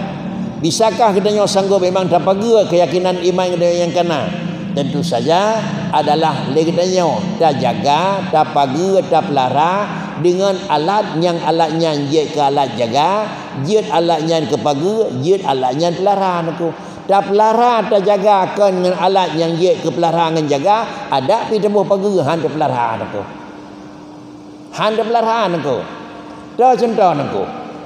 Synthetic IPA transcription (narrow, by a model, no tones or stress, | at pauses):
bisakahkət̪aɲoʔsaŋɡʊp̚memaŋt̪apaɡəəkəjakinanimankət̪aɲoʔjaŋkana̰ | t̪ənt̪usad͡ʒa | adalahləkət̪aɲoʔt̪ad͡ʒaɡatapaɡəət̪apəlaɾa | dəŋanalat̪̚ɲaŋalat̪̚ɲand͡ʒəʔkəalat̪̚d͡ʒaɡa | d͡ʒət̪̚alat̪̚ɲankəpaɡəd͡ʒət̪̚a̰lat̪̚ɲanpəlaɾanəŋku | tapəlaɾat̪ad͡ʒaɡakənŋənalat̪̚ɲaŋd͡ʒəʔkəpəlaɾaŋand͡ʒaɡaadaʔpit̪əbohpaɡəɦantəpəlaɾa̰na̰ŋkṵ | hantəpəlaɾanəŋkṵ | tɔt͡ʃənt̪ɔnaŋkṵ